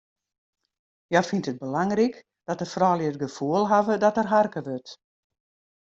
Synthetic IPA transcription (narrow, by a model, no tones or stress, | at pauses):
jafintət̚bəlaŋrik | d̥ɔtəfrɔːljəətɡəfuəlˠɦavədɔtərɦarkəʋøt